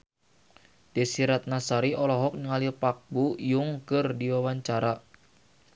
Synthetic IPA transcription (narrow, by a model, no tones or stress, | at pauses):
d̥ɛsiɾat̪̚nasaɾiɔlɔɦɔk̚nəŋalipak̚bujuŋkɨrdiwawaɲt͡ʃaɾa